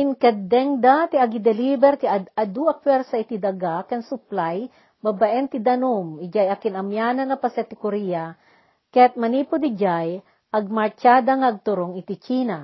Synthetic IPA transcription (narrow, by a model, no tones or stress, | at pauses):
ʔɪnkɐd̪ɛŋd̪at̪iɐɡid̪ɛlibɛɾt̪iɐad̪uɐk̚pwɛɾsɐɪt̪id̪ɐɡakɐnsʊplaj | babaʔɛnt̪id̪ɐnumɪd͡ʒajakɪnɐmjaːnɐnɐpɐsɛt̪ɪkʊɾija | kɐjat̪̚mɐnipʊd̪ɪd͡ʒaj | ʔɐɡ̚mɐɹt͡ʃad̪aŋɐɐɡ̚t̪ʊɾoŋɪt̪it͡ʃiːna